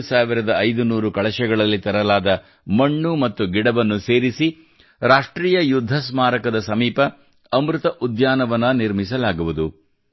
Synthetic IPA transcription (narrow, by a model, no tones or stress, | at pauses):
saːʋiɾɐd̪ɐːjd̪unuːɾukɐɭɐʃɛɡɐɭɐlːit̪ɐɾɐlaːd̪ɐ | mɐɳːumɐt̪ːuɡiɽɐbɐnːuse̞ːɾisi | ɾaːʂʈɾiːjɐjud̪ʱːɐsmaːɾɐkɐd̪ɐsɐmiːpɐː | mɾut̪ɐʔud̪jaːnɐʋɐnːɐniɾmisɐlaːɡuʋud̪u